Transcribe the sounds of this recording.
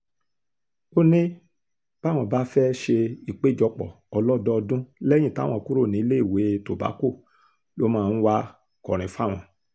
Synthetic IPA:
o˦nĩ˦ | b̥a˦w̃ɔ̃˧˨ba˦fɛ˦ʃe˧i˨k͡pe˦˨d͡ʒɔ˧k͡pɔ̰˨ | ɔ˧lɔ˦dɔ˦ɔ˧dũ˦lɛ˦j̃ĩ˦˨ta̰˦˨w̃ɔ̃˧˨ku˦ɾo˦˨nĩ˨˦le˦i˦˨we˨˦to˨ba̰˨˦ko˦˨ | lo˦mãː˦˧n̩˦wa˧ | kɔ˨ɾ̃ĩ˨fa˦˨w̃ɔ̃˧˨

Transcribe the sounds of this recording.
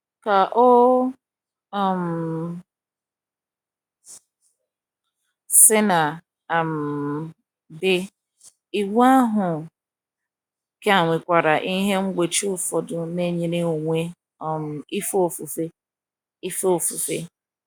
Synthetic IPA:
ka˨ʔo˦˨ | m̩˨ | sɪ˦na˨ | a˨m̩˨ | bɪ˦ | i˨ɡu˦a˦ɦʊ˨ | ke˦a˨ŋʷɪ˨kʷa˨ɾa˨ʔi˦ɦe˦ŋ͡m̩˦ɡ͡be˨t͡ʃi˦ʊ˦fɔ˨dʊ˦˨ne˦ɲe˨ne˦o˨ŋʷe˦ | ɔ˨m̩˨i˦fo˨fu˨fe˦ | i˦fo˦o˨fu˨fe˦

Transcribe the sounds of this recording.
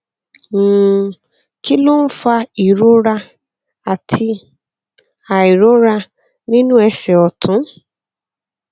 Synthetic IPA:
m̩ː˨ | ki˦lo˦n̩˦fa˧i˨ɾo˦ɾa˧ | a˨tʰi˧ | a˨i˨ɾo˨˦ɾa˧ | nĩ˦nũ˦ɛ˧sɛ˨ɔ˨tʊ̃˨˦

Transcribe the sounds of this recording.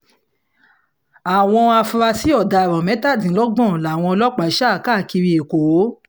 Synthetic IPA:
a˨w̃ɔ̃˧a˧fu˧ɾa˧si˨˦ɔ˦˨da˧˨ɾɔ̃˨mɛ̃˨˦ta˦˨dĩ˨˦lɔ˦ɡ͡bɔ̃˦˨la˨w̃ɔ̃˧lɔ˦k͡pa˨˦ʃa˦˨ka˦˨ki˧ɾi˧e˨ko˨˦

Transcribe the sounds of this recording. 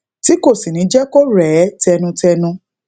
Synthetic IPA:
ti˨˦ko˦˨si˨nĩ˨˦d͡ʒɛ˦ko˦ɾɛ˨˦tɛ˧nũ˧tɛ˧nũ˧

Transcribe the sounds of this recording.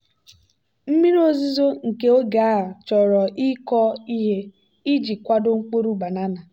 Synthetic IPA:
m̩˦mi˦ɾo˦zi˦zo˦ŋ̩˨ke˦o˦ɡa˦˨t͡ʃɔ˨ɾɔ˨ʔi˦kɔ˦i˦ɦe˦ | i˦d͡ʒi˨kʷa˦dʊ˦ŋ͡m̩˦k͡po˦ɾu˦ba˨na˦na˨

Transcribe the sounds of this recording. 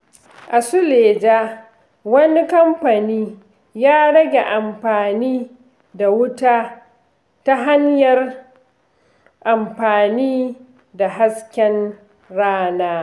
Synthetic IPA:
ʔa˨sʊ˦leː˨d͡ʒaː˦ | wɐ˦ni˦kɐ˦mɸa˨niː˦ | jaː˦ɽɐ˦ɡʲe˨ʔa˨mɸaː˨niː˦ | da˨wʊ˦taː˦ | ta˦ɦa˦ɲjɐ˨r | ʔa˨mɸaː˨niː˦ | da˨ɦa˦skʲɛ˦n | ɽaː˦naː˦

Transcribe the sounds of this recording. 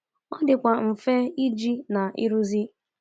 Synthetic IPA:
ɔ˦dɪ˨kʷa˨m̩˨fe˦i˦d͡ʒi˦na˨ḭ˦ɾu˦zi˦

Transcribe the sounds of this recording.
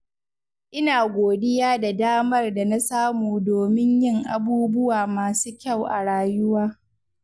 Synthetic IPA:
ʔɪ˦naː˨ɡʷoː˨dɪ˦jaː˦da˨daː˦mɐ˦rda˨na˦saː˦muː˨doː˨mɪ˦ɲjɪ˦˨ŋʔa˨buː˦bʊ˦waː˨maː˨suː˦kʲa˦˨wʔa˨ɽaː˨jʊ˦waː˦

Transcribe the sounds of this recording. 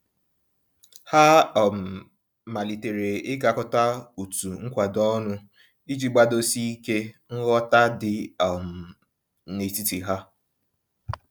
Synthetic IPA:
ha˦˨m̩˨ | ma˨li˨te˨ɾe˨ɪ˦ɡa˨kʊ˦ta˦u˨tu˨ŋ̩˦kʷa˨dɔ˦nʊ˦ | i˦d͡ʒi˦ɡ͡ba˦do˦si˦i˦ke˦ŋ̩˦ɣɔ˦ta˦dɪ˨m̩˨ | ne˨ti˦ti˨ɦa˦

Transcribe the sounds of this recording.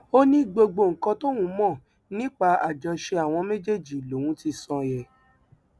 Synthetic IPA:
o˦nĩ˦ɡ͡bo˧ɡ͡bo˧˨ŋ̩˨kɔ̃˧to˦wũ˨˧˦mɔ̃˦˨ | nĩ˦k͡pa˧a˨d͡ʒɔ˧ʃe˧a˨w̃ɔ̃˧mẽ˦d͡ʒe˦˨d͡ʒi˨lo˨wũ˦ti˧sɔ̃˧jɛ˨

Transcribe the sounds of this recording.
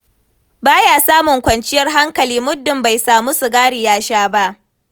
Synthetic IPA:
baː˦jaː˨saː˦mʊ˨ŋkʷɐ˨nt͡ʃɪ˦jɐ˦rɦa˦ŋkɐ˨liː˦mʊ˦dːɪ˨mba˨jsaː˨mu˦su˨ɡaː˦ɽɪ˨jaː˦ʃaː˦ba˦ʔ

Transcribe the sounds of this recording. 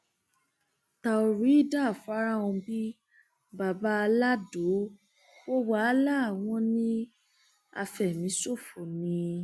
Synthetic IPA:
ta˨o˨ɾi˨˦i˦˨da˦˨fa˨˦ɾa˦˨ɔ̃˧bi˦ | ba˨ba˨˦a˧la˦do˨˦ | o˦wa˦la˦˨w̃ɔ̃˧˦nĩ˦ | a̰˧fɛ˨mĩ˨˦so˦˨fo˨nĩ˧

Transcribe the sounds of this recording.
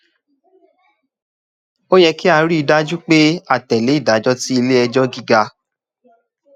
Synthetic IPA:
o˦jɛ˧ki˦a˧ɾi˦i˧da˦d͡ʒu˦k͡pe˦a˦˨tɛ˨le˨˦i˦˨da˨˦d͡ʒɔ˦ti˦i˧le˦ɛ˧d͡ʒɔ˦ɡi˦ɡa˧

